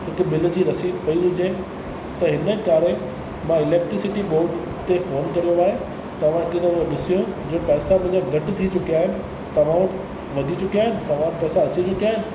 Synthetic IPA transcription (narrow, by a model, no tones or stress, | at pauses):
ɪkɪɓɪl̆d͡ʑiːɾɐsiːd̪pɐiɦʊd͡ʑe | t̪ɐɦɪnəkaːɾe | mãɪleːk̚ʈɾɪsɪʈiɓoːɾʈ | t̪efoːnkɐɾijoaːɦe | t̪ɐʋ̤ãkɪd̪ə̃õɗɪsijod͡ʑoːpɛːsapɐ̃ɦɪ̃ɲd͡ʑaɡʱɐʈɪt̪ʰit͡ɕʊkijaːɦɪnɪ̆ | t̪ɐʋ̤ãʋəʈ | ʋɐd̪ʱit͡ɕʊkijaːɦɪnɪ̆t̪ɐʋ̤ãpɛːsãɐt͡ɕit͡ɕʊkiaːɦɪnɪ̆